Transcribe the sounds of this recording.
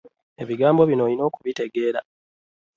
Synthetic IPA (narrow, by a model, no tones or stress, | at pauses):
e̞βiɡaːmbo̞βino̞lino̞ːkuβite̞ɡe̞ːɾa